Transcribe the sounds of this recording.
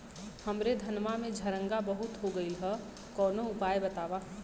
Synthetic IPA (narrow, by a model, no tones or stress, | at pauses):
həmɾed̪ʱɐnʋamẽd͡ʒʱɐɾə̃ŋɡabəɦʊt̪ɦoɡəilɦɛ | kɔːnoʊpaːebɐt̪aːʋa